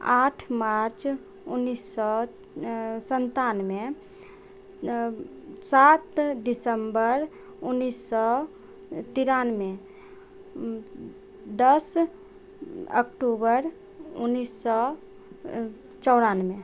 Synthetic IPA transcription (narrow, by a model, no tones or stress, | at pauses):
aʈʰmaɾt͡ʃ | ʊnːisːɔ | sənt̪anme | sat̪dɪsəmbəɾ | unːisɔ | t̪iɾanme | d̪əs | ə̰kʈubəɾ | ʊnːisːɔ | t͡ʃɔʊɽaːnmẽ